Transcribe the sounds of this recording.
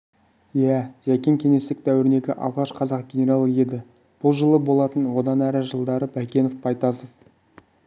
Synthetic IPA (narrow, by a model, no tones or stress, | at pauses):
jæʒækʲe̞ŋkʲʰe̞ŋe̞st̪ɪk̚d̪æwɪɾɪne̞ɡʲɪ̰ʔɑ̰lˠʁɑʃqʰɑzɑq̚ɡʲe̞nʲe̞ɾalˠəe̞d̪ɪ | b̥ʊlˠʒəlˠəbo̞lˠɑt̪ənwo̞d̪ɑnæɾɪʒəlˠd̪ɑɾəbækʲe̞nofpʰɑjt̪ɑsof